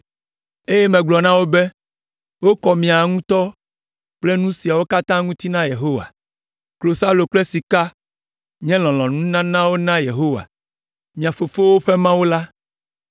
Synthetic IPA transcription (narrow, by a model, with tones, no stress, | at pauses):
e˦jɛ˦mɛ̃˨ɡ͡blɔ˨nã˦wo˦be˦ | wo˦kɔ˨mĩ˨a˨ŋũ˦t̪ɔ˦ | k͡ple˦nũ˦si˨a˨wo˦ka˦t̪ã˦ŋũ˦t̪i˦nã˦je˨ɦo˦wa̰˨ | klo˨sa˦lo˨k͡plɛ˦si˨ka˦ | ɲɛ̃˦lɔ̃˨lɔ̃˨nũ˦nã˦nã˦wo˦nã˦je˨ɦo˦wa̰˨ | mĩ˨a˨fo˨fo˦wo˦ɸe˦mã˦wo˦la˦